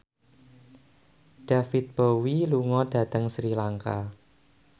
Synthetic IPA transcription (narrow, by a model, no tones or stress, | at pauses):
ɖ̥afit̪̚b̥ɔwiluŋɔɖ̥a̤t̪əŋsɾilaŋka